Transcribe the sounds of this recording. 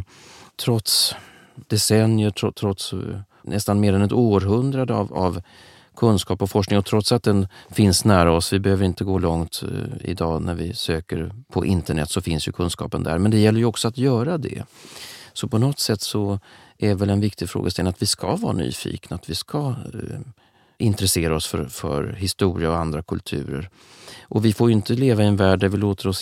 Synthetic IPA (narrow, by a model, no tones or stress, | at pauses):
t̪ʰɾɔt̪s | d̪ɛsɛnjəʈʰɔt̪ʰɾɔt̪s | nʔɛst̪anmeːɾɛnɛt̪oːɾɦɵnd̪ɾad̪əa̰va̰v | kʰɵnskɑːpɔfɔʂknɪŋɔt̪ʰɾɔt̪sat̪̚d̪ɛnfɪnsnæːɾaɔsvɪbɛhøːvəɾɪnt̪əɡoːlɔŋt̪ɪ̰d̪ɑːnæɾvɪsøːkəɾpʰɔʔɪnt̪əɳɛ̰t̪ːsɔfɪnsjɵkʰɵnskɑ̰ːpənd̪æ̰ɾmɛnd̪ɛjɛlːəɾjɵɔksɔat̪jœːɾad̪ɛ̰ | sɔpʰɔnɔt̪sɛt̪ːsɔ | ʔævɛlɛnvɪk̚t̪ɪɡfɾo̰ːɡəst̪ɛlat̪vɪskavɑ̰ːɾa̰ny̰ːfḭːknaat̪vɪskʰa | ɪnt̪ɾɛseːɾaɔsfœ̰ɾfœ̰ɾɦɪst̪uːɾɪaɔand̪ɾakʰɵlt̪ʰʉ̟̰ːɾə̰ɾ | ʔɔvɪfoːɾjʏɪnt̪əleːvaɪɛnvæːɖːæɾvɪloːt̪əɾɔs